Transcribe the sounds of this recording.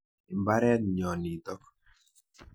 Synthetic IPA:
i˨mba˦ɾɛ˦t̪ɲɔ˨ni˨t̪ɔ˦k

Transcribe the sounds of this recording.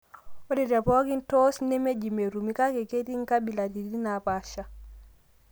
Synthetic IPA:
o˦de˨da˨po˦ki˦ntosne˦me˦d͡ʒi˨me˨ɾu˨mi˦ka˦ke˨ke˦ti˦ŋka˦bi˨la˨di˨i˦napaʃa

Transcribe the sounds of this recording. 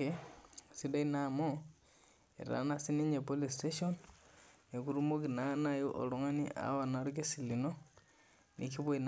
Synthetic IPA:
esidainamo | ḛ˨ɾa̰˨nasi˦ni˦ɲe˨polisteʃon | e˨ku˦ɾumo˦ki˨nanajo˦ʔo̰˨lo˦ŋa˦ni˦ʔa̰˨wa˨naɾuk̬e˦si˨li˨no˦ | nʔḭ˨ki˦βo˦in

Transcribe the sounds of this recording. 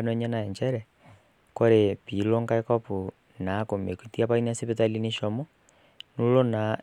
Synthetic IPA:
nwɛɲɛ˦na˨ɛ˨ɲt͡ʃɛɾɛ˨ | kɔ˦ɾe˨pi˨lɔ˦ŋka˦ɛkɔ˦pu˨ | na˨˦ko˨me˨ku˨ti˦apa˦in˦a˦si˦petali˦niʃɔmɔ | nu˦lɔ˦na˨

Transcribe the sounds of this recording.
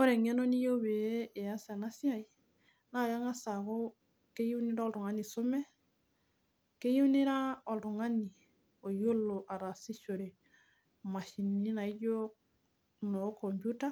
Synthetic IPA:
o˦ɾe˨ŋe˦no˦ni˦jo˦βe˨e˦e˨a˦sa˨na˦sja˦˨i˨ | na˨ja˦ŋa˦sa˨ko˦ | ke˦ju˦ni˦ɾa˦ɔ˦ltu˨ŋa˦ni˨so˦mɛ˦ | ke˦ju˦ne˦ɾa˦ɔ˨ltu˨ŋa˦ni˨ | o˨jo˦lo˨ʔa˨ɾa˨si˦ʃo˨ɾe˨ | ma˨ʃi˨ni˦na˨i˦jo˦ | no˨˦ko˨mbju˦ta˦

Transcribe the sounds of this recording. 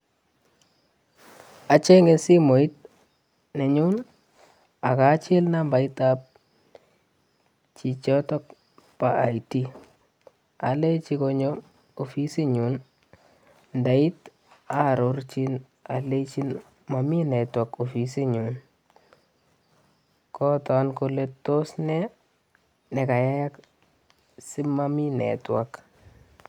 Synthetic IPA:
a˨t͡ʃe˦ŋɡe˨si˦mo˨i˦t̚ | nɛ˨ɲu˦n | a˨ka˨˦t͡ʃɪ˦lna˦mba˨i˦ta˦p̚ | t͡ʃi˨t͡ʃɔ˦tɔ˦k̚ | paa˨iti˦ | a˨le˦t͡ʃi˧koɲo˦ | o˨fi˦si˦ɲu˨n | nda˨i˦t | a˦ɾo˦rt͡ʃi˦n | a˨le˦t͡ʃi˦n | ma˨mi˦nɛ˨twa˨ko˨fi˨s̬i˦ɲun | kɔ˦tɔ˦nko˧le˦to˦snɛ˦ | nɛ˨ka˨ja˦ja˦k | si˦ma˦mi˦nɛ̰˨twa˨k

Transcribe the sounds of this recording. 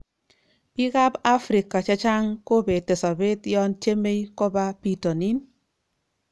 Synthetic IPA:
pi˦ka˦pa˦fɾɪ˨ka˨t͡ʃɛ˦t͡ʃa˦ŋko˦be˨te˨sa˨be˦tjɔ˦nt͡ʃe˦me˦jkɔ˦ba˦pi˨tɔ˨ni˦n

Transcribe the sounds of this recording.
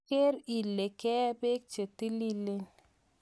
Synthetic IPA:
ke˦ɾi˨lːe˨kɛ˦be˦k̚t͡ʃe˨ti˦li˦lːe˦

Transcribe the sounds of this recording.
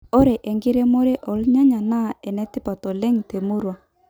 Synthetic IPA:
o˦ɾe˨ʔɛ˨ŋɡɪ˦ɾe˦mo˦ɾe˦ʔɔ˨lɲa˦ɲa˨na˦˨ɛ˨nɛ˦tɪ˦pa˨tɔ˨lɛ˦ŋte˨mu˦ɾwa˨

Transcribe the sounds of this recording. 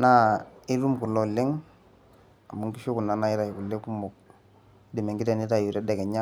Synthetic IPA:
na˦i˦ɾu˦mku˨lɔ˦˨lɪ˦ŋ | a˨mu˨ŋki˦ʃu˦ku˨na˨na˨˦ɪ˦ɾa˨ku˨lːe˦ku˦mu˨k̚ | di˨mɛ˨ŋɡɪ˦tɛ˨ni˦ta˦˨ju˨ɾɛ˦dɛ˨kɛ˨ɲa˦

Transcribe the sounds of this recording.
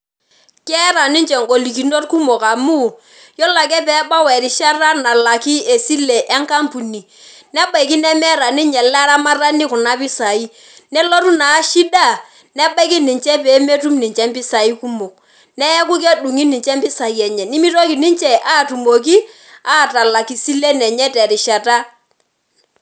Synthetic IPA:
kɛ˦ɾa˨ni˦nt͡ʃɛ˨ŋɡo˨li˨ki˨no˦tku˦mo˨ka˨mu˦ | jɔ˦la˨kɛ˦pɛː˨˦ba˦wɛ˨ɾi˨ʃa˦ra˦na˨la˨ki˦e˨si˦le˨ʔɛ˦ŋka˦mpu˨ni˨ | nɛ˦ɓa˨ki˦nɛ˦mɛ˦ɾa˨ni˦ɲɛ˨lɛ˦ɾa˦ma˦ra˦ni˦kʊ˨na˦pi˦sa˨i˦ | nɛ˦lo˦ɾu˦na˨˦ʃi˦da˦˨ | nɛ˦ɓa˦ki˦ni˨ɲt͡ʃɛ˦pɛː˨˦me˦tu˦mni˨ɲt͡ʃɛ˦mpɪ˦sa˨i˦ku˦mo˨ | nɛ˦ɛ˦k̬u˦k̬ɛ˦du˨ŋi˦ni˨ɲt͡ʃɛ˦mpɪ˦sa˨i˨˦ɛ˨ɲɛ˨ni˦mi˦to˦ki˨ni˦ɲt͡ʃɛ˦ʔa˦˨tu˨mo˨k̬i˦ | a˦˨ta˨la˨ki˨si˦le˦nɛ˨ɲɛ˦tɛ˨ɾɪ˨ʃa˨ta˦

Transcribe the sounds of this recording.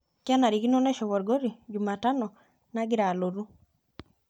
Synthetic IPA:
kja˦na˨ɾi˨ɡi˦nɔ˦nɛ˦ʃɔ˨βɔ˨ɾɡo˦ɾi˨d͡ʒu˨ma˨ta˦nɔ˨ | na˦ɡɪ˦ɾa˨lo˨ɾu˦

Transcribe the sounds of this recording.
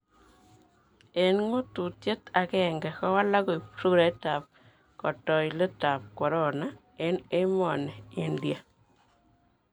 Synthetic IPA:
e˨nŋo˦tu˨tje˦t̪a˨kɛ˦˨ŋɡɛ˨kɔ˦wa˦la˦ko˨i˨psu˦ɾa˨˦ta˨p̚ | kɔ˨tɔ˨jle˦ta˨p̚kɔ˨ɾɔ˦˨na˦ | e˦ne˦mɔ˨nɛ˨i˦ndi˨a˨

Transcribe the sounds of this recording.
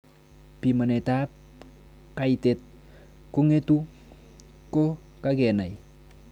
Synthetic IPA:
pi˨ma˨nɛ˨ta˦p | ka˨jtet̚ | kʊ˦ŋe˦tu˦ | ko˦ | kakɛ˨na˨j

